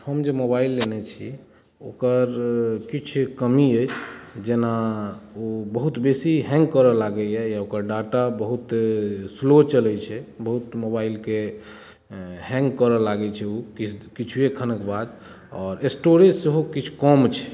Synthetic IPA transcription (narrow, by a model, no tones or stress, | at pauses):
həmd͡ʒemobailːenɛt͡ʃʰi | o̰kəɾkit͡ʃʰkəmiəjt͡ʃʰd͡ʒenaobəɦut̪besiɦɛ̃ŋɡkəɾəlaɡɛɛjaokəɾɖaʈabəɦut̪slot͡ʃəlɛt͡ʃʰɛbəɦut̪mobailke | ɦɛ̃ŋɡkəɾəlaɡɛt͡ʃʰɛokikit͡ʃʰuekʰənəkbad̪ | ɔːɾesʈoɾeseɦokit͡ʃʰkɔmt͡ʃʰɛ̥